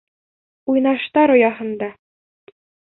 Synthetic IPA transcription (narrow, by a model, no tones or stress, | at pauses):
ujnɑʃt̪ɑɾŏjɑɦɤ̆nd̪ɑ